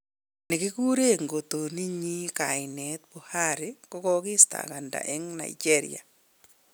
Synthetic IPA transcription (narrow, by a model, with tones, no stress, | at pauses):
nɪ˨kɪ˦ku˦ɾe˦˨ŋɡo˨t̪o˨ni˦ɲi˦ka˨ɪ˨nɛ˨t̪̚bu˨ha˦ɾɪ˦kɔ˦kɔ˦kɪ˦sta̰˨ka˨nda̰˨ʔɛ˦ŋna̰˨ɪ˨d͡ʒe˦ɾɪ̰ja̰˨